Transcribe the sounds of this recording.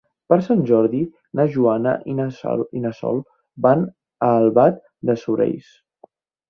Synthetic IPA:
pəɾsanʲʒɔɾði | nəʒuanə̰ʔinsinəsɔ̰lˠ | ban | əːlˠβat̪ | d̪əsuɾḛjs

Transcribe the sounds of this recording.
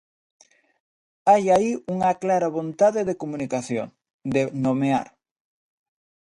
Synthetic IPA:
ajaiuŋaklaɾaβont̪aðeðekomunikaθjo̰ŋ | d̪enomea̰ɾ

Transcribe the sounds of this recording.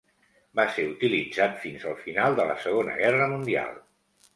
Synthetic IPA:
baseut̪ilid͡zat̪finzəlˠfinalˠd̪ələsəɣ̞onə̰ɣɛrəmund̪ia̰lˠ

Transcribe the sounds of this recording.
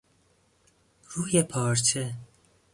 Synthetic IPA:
ruːjɛpʰɑːɾt͡ʃʰɛ

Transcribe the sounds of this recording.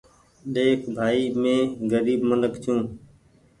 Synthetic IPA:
ɗeːkʰbʱaːiːmẽːɡəɾiːbmələkt͡ʃʰjũː

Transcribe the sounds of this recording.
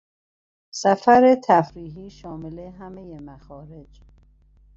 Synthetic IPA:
sæfæɾet̪ʰæfɾiːɦiːʃɒːmeleɦæmejemæxɒːɾe̞d͡ʒ

